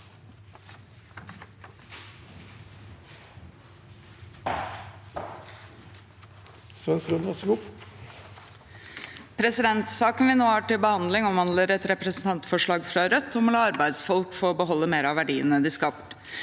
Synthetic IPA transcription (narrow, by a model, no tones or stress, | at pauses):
sʋɛnskʉnd̪ɑsɡʊp | pʰɾɛsɪd̪ɛnt̪sɑːkənʋɪnoːhɑːʈɪlbəhɑnd̪lɪŋɔmʋɑnd̪ləɾɛt̪ɾɛpɾəsn̩t̪ʰɑnt̪fɔʂɭɑːɡfɾɑɾœt̪ʰːɔmlɑɑɾbæɪd̪sfɔlkfɔːɾɔbəɦɔlːəmeːɾɑʋæɖiːə̰nəd̪ɪːskɑpt̪